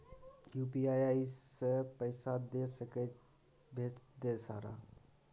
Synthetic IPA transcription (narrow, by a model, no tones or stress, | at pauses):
jupiaːjaːisepəɪsad̪esəke | bʱeːd̪esa̰ːɾa̰